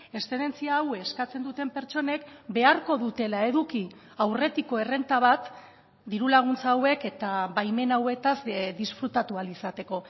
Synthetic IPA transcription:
e̞st̪ene̞nt͡siaːweskat͡se̞nd̪ut̪e̞mpe̞ɾt͡ʃo̞ne̞kbe̞aɾko̞ðut̪e̞lae̞ðuki | awre̞t̪iko̞e̞re̞nt̪aβ̞at̪ | d̪iɾulaɣ̞unt͡sawe̞ke̞t̪aβajme̞nawe̞t̪azd̪isfɾut̪at̪ualisat̪e̞ko̞

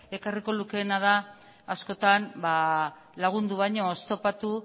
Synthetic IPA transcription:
e̞kariko̞luke̞ːnað̞a | asko̞t̪anba | laɣ̞und̪uβ̞ajɲo̞ːst̪o̞pat̪u

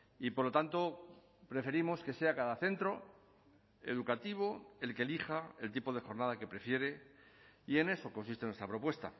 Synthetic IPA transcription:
ipoɾlo̞t̪ant̪o̞ | pɾe̞fe̞ɾimo̞ske̞se̞akaðaθe̞nt̪ɾo̞ | e̞̰ð̞ukat̪iβ̞o̞e̞lkelixae̞lt̪ipo̞ð̞e̞xo̞ɾnaðake̞pɾe̞fje̞ɾe̞ | ie̞ne̞so̞ko̞nsist̪e̞nwe̞st̪ɾapɾo̞pwe̞st̪a̰

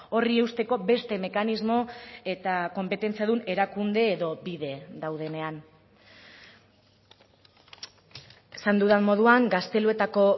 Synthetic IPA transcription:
o̞rie̞wst̪e̞ko̞be̞st̪e̞me̞kanizmo̞e̞t̪ako̞mpe̞t̪e̞nt͡siaðune̞ɾakund̪e̞ːðo̞biðe̞d̪awðe̞ne̞an | esand̪uðammo̞ð̞uaŋɡast̪e̞lue̞t̪ako̞

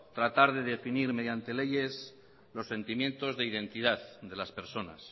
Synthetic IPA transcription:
t̪ɾat̪aɾðe̞ðe̞finiɾme̞ðjant̪e̞le̞ʝe̞s | lo̞sːe̞nt̪imjẽ̞nt̪o̞zðeiðe̞nt̪iðaððe̞laspe̞ɾso̞na̰s

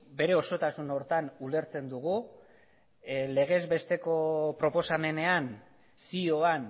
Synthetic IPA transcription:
be̞ɾe̞o̞so̞t̪asuno̞ɾt̪anule̞ɾt͡se̞nd̪uɣu | le̞ɣ̞e̞zbe̞st̪e̞ko̞pɾo̞po̞same̞ne̞an | sio̞an

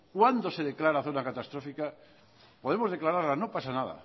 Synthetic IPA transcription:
kwand̪o̞se̞ðeklaɾaθonakat̪ast̪ɾo̞fika | po̞ð̞e̞mo̞zð̞e̞klaɾaɾlano̞pasanaða̰

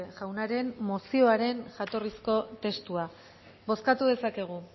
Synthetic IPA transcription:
ʝawnaɾe̞nmo̞sio̞aɾe̞nʝat̪o̞risko̞t̪e̞st̪ua | bo̞skat̪uðe̞sake̞ɣ̞u

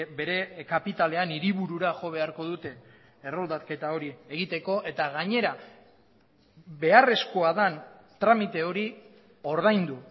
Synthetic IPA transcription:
be̞ɾe̞kapit̪ale̞aniɾiβuɾuɾaʝo̞β̞e̞aɾko̞ðut̪e̞ː | ro̞ld̪atke̞t̪ao̞ɾie̞ɣit̪e̞ko̞ʔe̞t̪aɣaɲe̞ɾa | be̞are̞sko̞aðan | t̪ɾamit̪e̞o̞ɾi | o̞ɾðajnd̪u

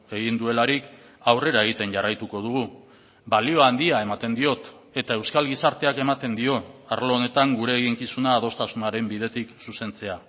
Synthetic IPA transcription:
e̞ɣind̪ue̞laɾik | awre̞ɾae̞ɣ̞it̪e̞nʝarajt̪uko̞ð̞uɣ̞u | balio̞and̪iae̞mat̪e̞nd̪io̞t̪ | e̞t̪ae̞wskalɣisaɾt̪e̞ake̞mat̪e̞nd̪io̞aɾlo̞one̞t̪aŋɡuɾe̞ːɣiŋkisunaːð̞o̞st̪asunaɾe̞mbið̞e̞t̪iksuse̞nt͡se̞a

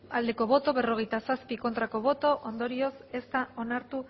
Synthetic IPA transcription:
ald̪e̞ko̞βo̞t̪o̞βe̞ro̞ɣe̞jt̪asaspiko̞nt̪ɾako̞β̞o̞t̪o̞ʔond̪o̞ɾio̞se̞st̪ao̞naɾt̪u

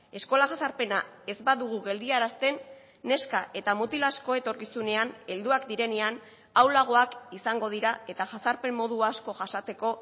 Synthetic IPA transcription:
e̞sko̞laʝasaɾpe̞na | e̞zbaðuɣ̞uɣe̞ld̪iaɾast̪e̞nː | e̞skaʔe̞t̪amut̪ilasko̞e̞t̪o̞ɾkisune̞ane̞ld̪uakd̪iɾe̞ne̞an | awlaɣ̞o̞akisaŋɡo̞ð̞iɾae̞t̪aʝasaɾpe̞mːo̞ð̞uasko̞ʝasat͡s̪e̞ko̞

